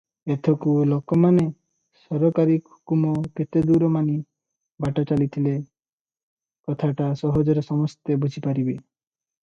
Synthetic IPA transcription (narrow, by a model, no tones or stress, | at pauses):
et̪ʰɔkulokɔmane | sɔɾɔkaɾikɦu̥kumɔket̪ed̪uɾɔmani | baʈat͡ʃalit̪ʰile | kɔt̪ʰaʈasɔɦɔd͡ʒɔɾesɔmɔst̪ebud͡ʒʱipaɾibe